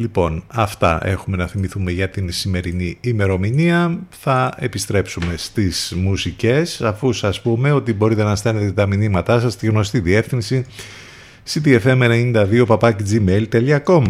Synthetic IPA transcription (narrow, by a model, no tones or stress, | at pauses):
lipo̞nɐft̪ɐ̰ʔe̞̰xume̞nɐθimiθume̞ʝɐt̪insime̞ɾiniːme̞ɾo̞miniɐθɐe̞pist̪ɾe̞psume̞st̪iz̥musice̞sɐfusɐspume̞o̞t̪ibo̞ɾit̪e̞nɐst̪ene̞t̪et̪ɐminimɐt̪ɐsɐst̪iɣno̞st̪iðie̞fθinsi | sit̪ie̞fe̞menenind̪ɐðio̞pɐpɐcid͡zime̞lt̪eliɐko̞mɐ